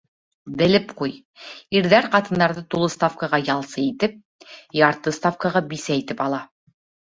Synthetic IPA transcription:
bɘ̆lɘpquj | iɾðæɾqɑt̪ɤ̆nd̪ɑɾðɤt̪ulˠɤ̆st̪afkaʁɑjɑlˠsɤit̪ɘp̚ | jɑɾt̪ɤst̪afkɑʁɑbisæit̪ɘpɑlˠɑ

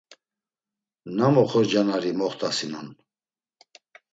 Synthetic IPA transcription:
namɔχɔɾd͡ʒanaɾimɔχt̪ʰʼasinun

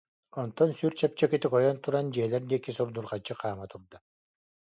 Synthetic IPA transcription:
ɔnt̪ɔnsyɾt͡ɕɛp̚t͡ɕɛkit̪ikɔjɔnt̪uɾand͡ʑiɛlɛɾd̪iːkisuɾd̪uɾʁat͡ɕːɯqʰaːmat̪uɾd̪a

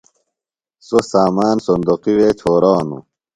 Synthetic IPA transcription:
sosaːmaːnsond̪oqiwet͡ɕʰoːɾaːnṵ

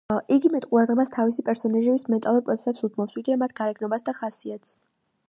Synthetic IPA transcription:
ʔiɡimɛt̪ʼqʼuɾad̪ʁɛbast̪ʰavisipʼɛɾsɔnaʒɛbismɛt̪ʼalˠuɾpʼɾʔɔt̪ʰɛ̥sɛpsut̪mɔpsiɡiɛmat̪̚ʰɡaɾɛɡnɔbasd̪aχasiat̪s

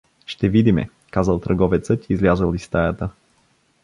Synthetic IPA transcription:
ʃt̪ɛvid̪imɛ̰ | kazəlˠt̪ɾɐɡɔvɛt̪sət̪iːzlʲazəlˠist̪ajət̪ə

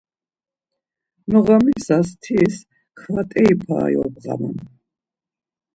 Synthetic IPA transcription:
nɔʁamisast̪ʰis | kʰvat̪ʼɛipʰa̰ːjɔbʁa̰ma̰n

